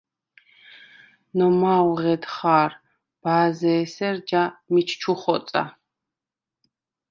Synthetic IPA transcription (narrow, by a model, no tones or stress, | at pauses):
nɔmaːwʁɛd̪χaːɾ | b̥aːzɛːsɛɾd͡ʒamit͡ʃʰt͡ʃʰuχɔt̪sʼa̰